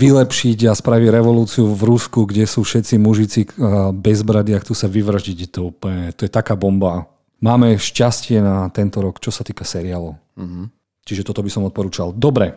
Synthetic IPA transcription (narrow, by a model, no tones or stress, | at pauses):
ʋilɛpʃiɟaspɾaʋiɟɾɛʋɔluːt͡siuvɾuskuɡɟɛsuːfʃɛt̪t͡simuʒit͡sibɛzbɾad̪iakt̪usaʋiʋr̩ʒɟiɟɛt̪ɔuplɲɛt̪ɔjɛt̪akaːbɔmba | maːmɛʃcascɪɛnat̪ɛnt̪ɔɾɔkt͡ʃɔsat̪iːkasɛɾialɔʊ | t͡ʃiʒɛt̪ɔt̪ɔbisɔmɔt̪̚pɔɾuːt͡ʃald̪ɔbɾɛ